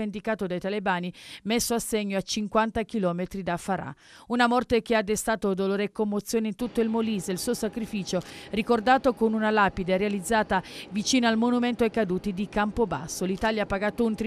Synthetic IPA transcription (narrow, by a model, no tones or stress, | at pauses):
end̪ikaːt̪od̪ajt̪alebaːnimesːoasːeɲːoat͡ʃiŋkwant̪ak̟ilɔːmet̪ɾid̪afaɾa̰ | unamɔrt̪ek̟ead̪est̪aːt̪od̪oloːɾekːomːot̪sːjoːneint̪ut̪ːoilmoliːzeilsuːosakɾifiːt͡ʃorikord̪aːt̪okonunalaːpid̪erealid̪zːaːt̪avit͡ʃiːnoalmonument̪oekad̪uːt̪id̪ikampoba̰sːolit̪aːljapːaɡat̪ːount̪ɾ